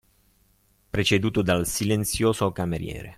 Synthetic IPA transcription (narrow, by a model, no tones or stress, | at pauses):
pɾet͡ʃed̪uːt̪od̪alsilent̪sjoːzokameɾjɛ̰ːɾḛ